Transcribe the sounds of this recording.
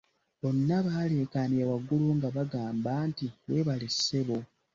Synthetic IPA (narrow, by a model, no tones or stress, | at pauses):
βo̞nːaβaːle̞ːkaːniawaɡuluŋɡaβaɡaːmbaːntiβwe̞ːβalissːe̞βo̞